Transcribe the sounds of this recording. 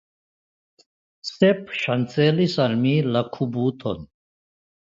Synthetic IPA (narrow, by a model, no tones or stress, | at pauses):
sepʰɕɐnt͡seːlisɐlmilɐkʰubuːt̪ʰo̰n